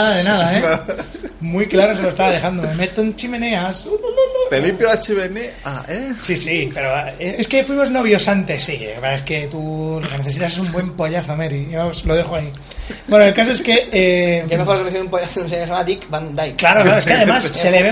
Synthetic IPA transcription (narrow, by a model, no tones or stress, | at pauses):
ðaðenaðae | mujklaɾoselo̞est̪aβaðe̞xand̪ome̞me̞t̪oent͡ʃimẽ̞ne̞ast̪elimpjoat͡ʃeβene | a̰esisipe̞ɾoeeskefwimo̞zno̞β̞jo̞sant̪e̞sːḭβɾaeske̞t̪uloke̞neθe̞s̬it̪ases̬umbwe̞mpo̞ʝaθomeɾieslo̞ðexoai | bwe̞noelkas̬o̞e̞skeeemexoɾkɾeθiumpojaθouns̬es̬emad̪ikband̪ajklaɾoklaɾoeskeaðe̞masːe̞leβe